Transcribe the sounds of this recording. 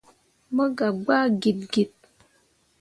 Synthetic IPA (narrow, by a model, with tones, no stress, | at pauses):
mə˦ɡa˨ɡ͡ba˦ɡi˨t̚ɡi˨t̚